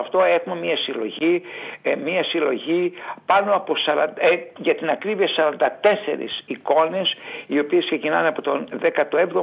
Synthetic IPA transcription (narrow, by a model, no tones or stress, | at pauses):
ɐft̪o̞exumemiɐsilo̞̰ʝi | miɐsilo̞ʝipɐno̞ɐpo̞sɐɾɐnd̪ʝɐt̪inɐkɾiviɐsɐɾɐnd̪ɐt̪e̞se̞̰ɾḭsiko̞ne̞sio̞piesksecinɐnɐpot̪o̞nðekɐt̪oevðo